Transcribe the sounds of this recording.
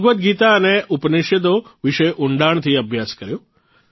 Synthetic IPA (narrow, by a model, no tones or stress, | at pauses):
ɡʋət̪̚ɡit̪aəneʔupnɪʃjəd̪̬oʋɪʃəjʔuɳɖaɳ̃t̪ʰiəbʱjaskəɾjo